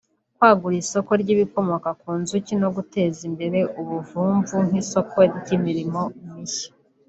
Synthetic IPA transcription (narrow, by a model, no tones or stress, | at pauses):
kwaːɡuɾiso̞ko̞ɾɟiβiko̞mo̞kakuːnzucino̞ɡute̞ːzimbe̞ɾe̞ʔuβuvuːɱvuŋhiso̞ko̞ɾɟimiɾimo̞miʃḁ